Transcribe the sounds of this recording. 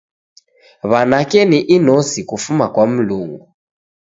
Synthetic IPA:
βanakɛniʔinɔsikufumakwam̩luːŋɡu

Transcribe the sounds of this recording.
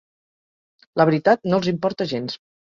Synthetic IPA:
ləβɾit̪at̪nolˠzimpɔɾt̪əʒens

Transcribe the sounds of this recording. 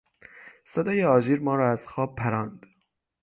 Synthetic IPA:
sed̪ɒːjeɒːd͡ʒiːɾmɒːɾɒːæz̥xɒːb̚pʰːæɾɑːnd̪̥

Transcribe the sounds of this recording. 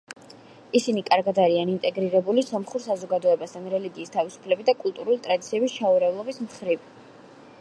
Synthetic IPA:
isinikʼaɾɡad̪aɾianint̪ʼɛɡɾiɾɛbulisɔmχuɾsazɔɡad̪ɔɛbast̪ʰanɾɛliɡiːst̪ʰavisu̥pʰlɛbid̪akʼulˠt̪ʼuɾulit̪ʼɾad̪it̪sʰiɛbist͡ʃʰauɾɛvlˠɔbismχɾiv

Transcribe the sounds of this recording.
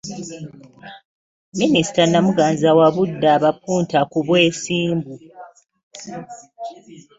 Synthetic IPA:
minisi̥tanːamuɡaːnzawaβudːaβap̚uːntakuβwe̞ːsiːmbu

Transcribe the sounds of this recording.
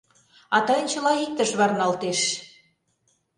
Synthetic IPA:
ɑt̪ɑjə̆nt͡ɕə̆lɑik̚t̪ə̆ʃβɑrnɑlt̪eʃ

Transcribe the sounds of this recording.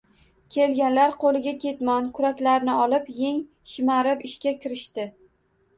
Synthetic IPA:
kʲʰe̞lɡʲanlaɾqʰolɪɡʲakʲʰe̞t̪mɒnkʰʊɾakʲlaɾnɪɒlɪpje̞ŋ | ʃɪmaɾɪpɪʃkʲakʲʰɪɾɪʃt̪ɪ

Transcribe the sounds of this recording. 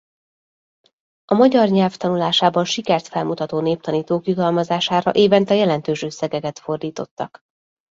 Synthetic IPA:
ɒmɒɟɒrɲɛlft̪ɒnulaːʃaːbɒnʃikɛrt̪fɛlmut̪ɒt̪oːneːp̚t̪ɒniːt̪oːkjud̪ɒlmɒzaːʃaːɾɒ̰ʔeːvɛnt̪ɛjɛlɛnt̪øːʃøsːɛɡɛɡɛt̪fo̞rd̪iːt̪o̞t̪ːɒk

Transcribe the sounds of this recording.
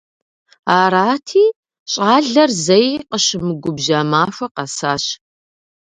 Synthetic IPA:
aːɾaːtʰiː | ɕʼaːɮɐrzɐjqəɕɪmɨɡʷʊbʒaːmaːʂʷɐqɐsaːɕ

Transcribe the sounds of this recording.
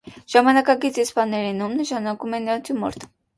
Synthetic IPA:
ʒ̥ɑmɑnɑkɑkit͡sispɑnɛɾɛnumnəʃɑnɑkumɛnɑnt͡s̪ʰjumɔ̰ɾt̪ʰ

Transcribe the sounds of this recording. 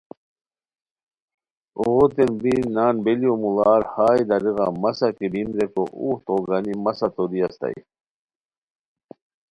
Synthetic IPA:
oɣot̪enbinaːnbelijomulaːɾhaːjd̪ɐɾiɣɑ̰mɐsakibimɾekoʔṵht̪oɡanimɐsat̪od̪iɐst̪ɐ̰j̰

